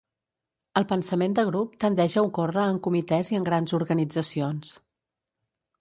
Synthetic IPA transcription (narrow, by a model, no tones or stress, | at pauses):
əlˠpənsəmend̪əɣ̞ɾup̚t̪ənd̪ɛʒəukorəːŋkumit̪ɛziəŋɡɾanzuɾɣənid͡zəsions